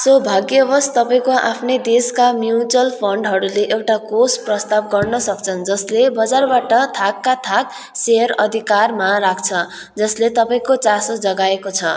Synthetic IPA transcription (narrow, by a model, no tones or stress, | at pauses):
sʌbʱaɡjʌbʌst̪ʌpaĩkoʔa̰pʰned̪eskamjut͡sʌlpʰʌɳɖɦʌɾuleʔewʈakosprʌst̪ab̚ɡʌrnʌsʌkt͡sʰʌnd͡zʌslebʌd͡zarbaʈʌt̪ʰakːat̪ʰak̚ | seʌɾʌd̪ʱikarmaɾakʰt͡sʰʌ | d͡zʌslet̪ʌpaĩkot͡sasod͡zʌɡaekot͡sʰʌ